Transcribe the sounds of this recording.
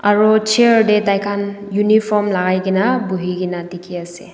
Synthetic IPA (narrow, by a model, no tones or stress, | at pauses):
aɾɔt͡ʃeɾdetajkʰanjunipʰɔmlaɡajɡinabuɦiɡinatikʰiase